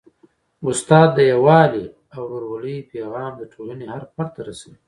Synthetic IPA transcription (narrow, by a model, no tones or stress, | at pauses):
ʊst̪ɑːd̪̚ːəjawɑːli | awɾoɾwaləjpeɣɑːmd̪əʈ͡ʂʰolənehaɾpaɾt̪aɾasawi